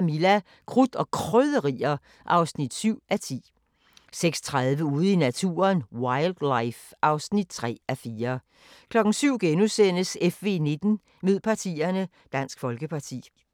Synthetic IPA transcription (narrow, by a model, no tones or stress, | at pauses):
milæ | kʰʁud̥ɒ̽kʰʁœðˠəʁiːɐ | ʔɑ̈ʊsnid̥syʊ̰ʔæt͡sʰḭː | seɡ̥st͡sʰʁɑðˠʋəuːð̞̩ˠinæt͡sʰṵːɐnwɑ̈ɪld̥läɪfʔɑ̈ʊsnid̥̚t͡sʰʁɛ̰ːæfiːɐ | kʰlɒ̽ɡ̥n̩syʊ̰ɡ̥enusen̰əsefʋe̝ːne̝d̥n̩ | me̝ð̰ˠpʰɑ̈t͡sʰḭːɐnə | d̥æn̰sɡ̥fɒ̽lɡ̥əpʰɑ̈t͡sʰḭː